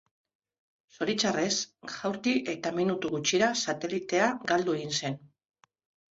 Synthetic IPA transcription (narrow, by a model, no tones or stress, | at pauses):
so̞ɾit͡ʃare̞sʝawɾt̪iʔe̞t̪aminut̪uɣut͡ʃiɾasat̪e̞lit̪e̞aɡald̪ue̞ɣinse̞n